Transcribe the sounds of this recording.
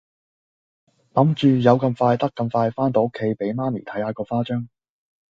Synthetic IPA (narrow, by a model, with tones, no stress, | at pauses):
lɐ˨˥mt͡ʃyː˨jɐ˨˧wkɐ˧mfaː˧jt̪ɐ˥kːɐ˧mfaː˧jfaː˥nt̪o˨˧˥o˥kʰːe˧jpe˨˥jmaː˥nḭ˨˩t̪ʰɐ˨˥jhaː˨˧kɔː˧faː˥t͡ʃœː˥ŋ